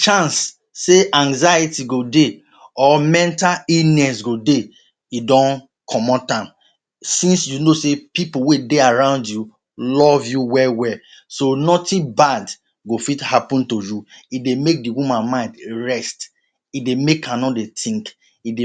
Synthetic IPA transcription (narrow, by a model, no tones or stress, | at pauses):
t͡ʃãnsː | eʔãŋzajitiɡode | ɔmɛ̃ntalinɛsɡode | idɔ̃n | kʰɔmɔtãm | sĩnsjunosepipuwedeaɹãʊ̃ndju | lɔvjuwɛwɛ | sonɔtĩbad | ɡofithapɔ̃ntojuidemek̚diwumãnmãɪ̃ndɹɛst | idemekãnɔdetʰĩŋk | ide